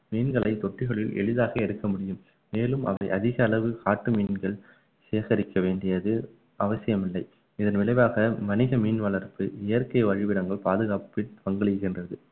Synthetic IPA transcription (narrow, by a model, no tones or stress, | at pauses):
miːnɡɐɭɐɪt̪ɔʈːɪɣɐɭɪlɛ̰ɭɯðaːɣɐɛɽɯkːɐmʊɽɪjɯmː | eːlɯmʔɐ̰ʋɐ̰ɪʔɐðɪɣɐːlɐʋɯkaːʈːɯmiːnɡɐɭ | seːɣɐɾɪkːɐʋeːɳɖɪjɐðɯ | ʔɐʋɐsɪjɐmɪlːɐɪ | ɪðɐnʋɪlɐɪʋaːɣɐmɐnɪɣɐmiːnʋɐɭɐɾpɯʔɪjɐɾkɐɪʋɐɻɪʋɪɽɐŋɡɐɭpaːðɯɣaːppɪnpɐŋɡɐɭɪjɣɪndrɐðɯ